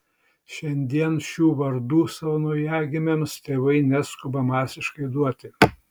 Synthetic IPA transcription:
ʃʲɛnʲd̪ʲiɛnʃʲuːʋɐɾd̪uːsɐʋonʊjæːɡʲɪmʲemst̪ʲeːʋɐɪnʲæskʊbɐmɑːsʲɪʃkɐɪd̪uɔt̪ʲɪ

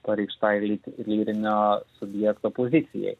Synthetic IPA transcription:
pɐɾʲɛɪkʃt̪ɑjlʲilʲiːɾʲɪnʲoːsʊbʲjɛkt̪oːpozʲɪt̪sʲɪ̰jɛ̰ɪ

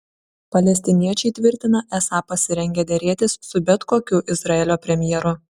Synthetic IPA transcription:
pɐlʲɛsʲt̪ʲɪnʲiɛt͡ʃʲɛɪt̪ʲʋʲɪɾʲt̪ʲɪnɐʔɛsɑːpɐsʲɪɾʲɛŋʲɡʲɛd̪ʲeɾʲeːt̪ʲɪsːʊbʲɛt̪koːkʲʊʔɪzɾɐɛlʲoːpʲɾʲɛmʲjɛɾʊ

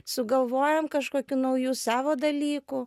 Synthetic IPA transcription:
sʊɡɐlˠʋoːjɛmkɐʃkoːkʲuːnɐʊjuːsɑːʋoːd̪ɐlʲiːku

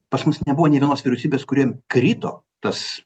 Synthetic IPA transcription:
pɐsmʊsnʲɛbʊʋoːnʲɛʋʲiɛnoːsʋʲɪɾʲɛʊsʲiːbʲeːskʊɾʲiɛmkɾʲiːt̪o̰ː | t̪ɐs

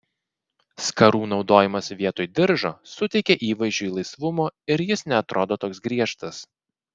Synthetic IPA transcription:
skɐɾuːnɒʊd̪oːjɪmɐsʋʲiɛt̪oːjd̪ʲɪɾʒoːsʊt̪ʲɛɪkʲɛʔiːʋɐɪʒʲd͡ʒʲuːiːlˠɐɪsʋʊmoːɪɾjɪsnʲɛɐt̪ɾoːd̪oːt̪oːksɡɾʲiɛʃt̪ɐs

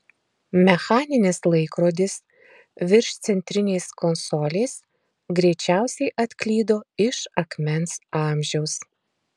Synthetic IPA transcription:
mʲɛxɑːnʲɪnʲɪslˠɐɪkɾoːd̪ʲɪs | ʋʲɪɾʃt̪sʲɛnʲt̪ʲɾʲɪnʲeɪskɔnsɔːlʲeːs | ɡɾʲɛɪt͡ʃʲæˑʊsʲɛɪʔɐt̪ʲklʲiːd̪oːɪʃɐkmʲɛnsɑːmʲʒʲɛʊs

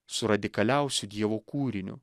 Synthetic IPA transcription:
sʊɾɐd̪ʲɪkɐlʲɛˑʊsʲʊd̪ʲiɛʋoːkuːɾʲɪnʲʊ̰

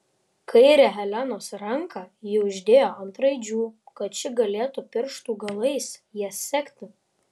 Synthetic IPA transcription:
kʰɐɪɾʲɛɦɛlʲænoːsɾɐŋkɑjɛʊʒʲd̪ʲeːjoːɐnt̪ɾɐɪd͡ʒʲuːkɐt̪t͡ʃʲɪɡɐlʲeːt̪upʲɪɾʃt̪uːɡɐlˠɐɪsjiɛsːʲɛkʲt̪ʲɪ

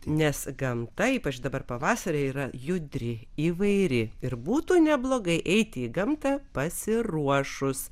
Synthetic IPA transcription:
nʲɛsɡɐmt̪ɐiːpɐt͡ʃd̪ɐbɐrpɐʋɑːsɐɾʲeːiːɾɐjʊd̪ʲɾʲɪ | iːʋɐɪɾʲɪɪɾbuːt̪uːnʲɛblˠoːɡɐɪʔɛɪt̪ʲɪiːɡɐmt̪ɑpɐsʲɪɾuɔʃʊs

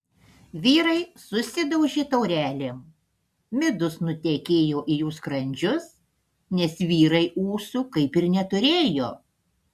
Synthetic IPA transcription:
ʋʲiːɾɐɪsʊsʲɪd̪ɐʊʒʲet̪ɐʊɾʲæːlʲeːm | mʲɪd̪ʊsnʊt̪ʲeːkʲeːjoːʔijuːskɾɐnʲd͡ʒʲʊs | nʲɛsʋʲiːɾɐɪuːsʊkɐɪpɪɾnʲɛt̪ʊɾʲeːjoː

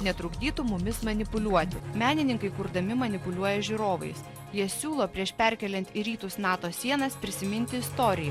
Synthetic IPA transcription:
nʲɛt̪ɾʊɡd̪ʲiːt̪ʊmʊmʲɪsmɐnʲɪpʊlʲuɔt̪ʲɪmʲæːnʲɪnʲɪŋkɐɪkʊɾd̪ɐmʲɪmɐnʲɪpʊlʲuɔjɛʒʲʊɾoːʋɐ̰ɪs | jiɛsʲuːlˠoːpʲɾʲiɛʃpʲɛɾʲkʲɛlʲɛnʲt̪ʲiɾʲiːt̪ʊsnɑːt̪oːsʲiɛnɐspʲɾʲɪsʲɪmʲɪnʲt̪ʲɪɪst̪oːɾʲɪjɛ

